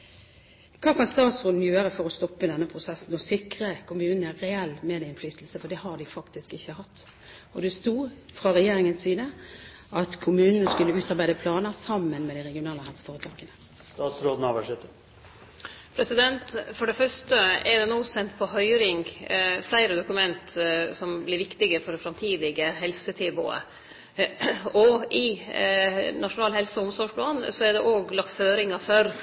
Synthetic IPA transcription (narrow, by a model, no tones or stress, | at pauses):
kʰɑːkʰɑnst̪ɑːt̪sʁoːd̪n̩jøːɾəfɔɾɔst̪ɔpːəɪd̪ɛnːəpʰɾʊsɛsn̩ɔsɪkɾəkʰʊmʉːnn̩æɾɛɛlːmɛd̪ɪɪnflyːt̪lsəfɔd̪ɛhɑɖ̪ɪfɑkt̪ɪskɪçːəhɑt̪ː | ɔd̪ʉst̪uːfɾɑɾɛjeːɾɪŋənsiːd̪ə | ɑt̪kʰʊmʉːnənəskʉlːəʉːt̪ɑɾbæɪd̪əpʰlɑːnəsɑmːənmɛd̪ɪʁɛɡɪʊnɑːləɦɛlsə̥foːʁət̪ʰɑːɡənə | st̪ɑːt̪sɾoːd̪n̩ɑːʋəʂɛt̪ːə | pʰɾɛsɪd̪ɛnt̪fɔɖɛfœʂʈəɛɾd̪ɛnoːsɛnt̪pʰɔɦœʏɾɪŋflæɪɾəd̪ʊkʉmɛnt̪sɔmblɪɾʋɪkt̪ɪɡəfɔɖɛfɾɑmt̪ʰiːd̪ɪɡəɦɛlsət̪ʰɪbo̰ːə̰ | ɔʔɪ | nɑʂʊnɑːlhɛlsəɔʊmsɔʂpʰlɑːnsɔæd̪ɛʔoːɡlɑkt̪føːɾɪŋɑfœɾ